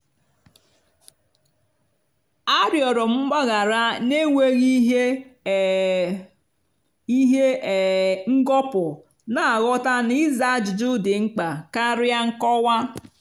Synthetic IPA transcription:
a˦ɾjɔ˨ɾɔ˨m̩˦ɡ͡ba˦ɣa˨ɾa˦ne˦ŋʷe˦ɣi˦ɦe˦ | i˦ɦe˦˨ | ŋ̩˦ɡɔ˦pʊ˨ | na˨a˨ɣɔ˦ta˦ni˦za˦d͡ʒʊ˨d͡ʒʊ˦dɪ˨ŋ͡m̩˦k͡pa˨ka˦ɾa˦ŋ̩˦kɔ˦wa˦

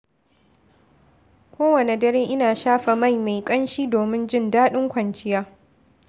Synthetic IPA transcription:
kʷoː˦wɐ˨ne˨dɐ˦ɾeː˦ʔɪ˦naː˨ʃaː˦ɸa˨ma˦˨jma˨jkʼɐ˦nʃiː˦doː˨mɪ˦nd͡ʒɪ˦ndaː˦ɗɪ˦ŋkʷɐ˨nt͡ʃɪ˦jaː˦

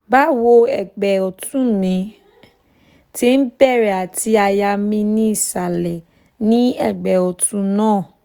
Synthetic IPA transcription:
ba˦wo˧ɛ˨ɡ͡bɛ˨ɔ˨tũ˦nĩ˨˦ | ti˦n̩˦bɛ˦˨ɾɛ˨a˨ti˧a˨ja˧mĩ˧nĩ˦i˦˨sa˨lɛ˨ | nĩ˦ɛ˦˨ɡ͡bɛ˨ɔ˨tũ˧nãː˦˨

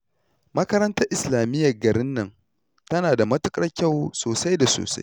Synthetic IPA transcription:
mɐ˦kɐ˦ɾɐ˦ntɐ˦rʔɪ˨slaː˨mɪ˦jːɐ˨rɡɐ˨ɾɪ˦nːɐ˦˨n | tɐ˦naː˨da˨mɐ˦tʊ˦kʼɐ˦rkʲa˦˨wsoː˨sa˦jda˨so̰ː˨sa̰˦j

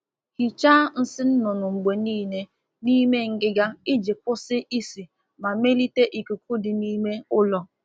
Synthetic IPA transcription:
hi˨t͡ʃa˦n̩˦sɪ˦n̩˦nʊ˨nʊ˨ŋ͡m̩˨ɡ͡be˨niː˦˨ne˦ | ni˦me˦ŋ̩˨ɡɪ˦ɡa˦ɪ˦d͡ʒɪ˨kʊ˦sɪ˦ʔi˦si˨ | ma˨me˦li˦te˦ʔi˨ku˨ku˦dɪ˨ni˦me˦ʊ˦lɔ˦

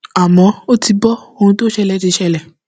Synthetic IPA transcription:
a˨mɔ̃˨˦o˦ti˧bɔ˦o˧hũ˧to˦ʃɛ˦lɛ˨˦t͡ʃe˧ʃɛ˦lɛ˨

